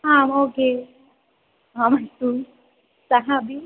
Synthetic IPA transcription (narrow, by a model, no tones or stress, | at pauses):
aoke | ãmajtu | saɦabi